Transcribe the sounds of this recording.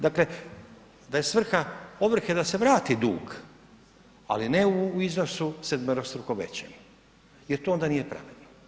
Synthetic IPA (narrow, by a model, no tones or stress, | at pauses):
d̪akle̞ | d̪ajesʋr̩xaoʋr̩xed̪ase̞ʋɾaːt̪id̪ṵːɡ | a̰line̞uizno̞sused̪meɾost̪ɾukoʋḛt͡ɕem | jeɾt̪oo̞nd̪anijepɾa̰ʋid̪no